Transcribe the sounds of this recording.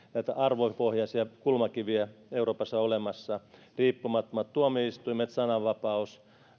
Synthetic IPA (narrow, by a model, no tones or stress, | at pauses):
næt̪æɑrʋopohjɑsjɑkulmɑkiʋiæeuroːpɑsːɑolemɑsːɑ | riːpːumɑt̪ːomɑt̪t̪uomiist̪uimet̪sɑnɑʋʋɑpɑus